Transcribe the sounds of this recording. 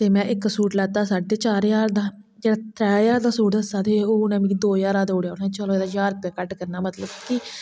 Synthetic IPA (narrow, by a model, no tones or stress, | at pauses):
t̪eːmɛ̃ːʔɪkːsuːʈlɛːt̪aːsaːɖːeːt͡ʃaːɾjaːɾd̪aː | d͡ʒeːɽaːt̪ɾɛːjaːɾd̪aːsuːʈ̪əsaːt̪eːoːnãːmiːkːd̪oːjaːɾaːd̪oːɽjaːʊnãt͡ʃəlõːeːd̪aːjaːɾ̚pɛkəʈkəɾnaːmət̪ləbkɪ